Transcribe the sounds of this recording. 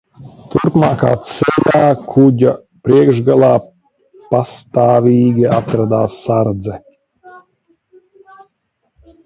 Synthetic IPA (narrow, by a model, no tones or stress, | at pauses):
t̪uɾpmaːkaːt̪sɛʎʲaːkʰuɟa | pɾiɛɡʒɡalˠaː | past̪aːvʲiːɡʲiat̪ɾad̪aːsːaɾd̪zɛ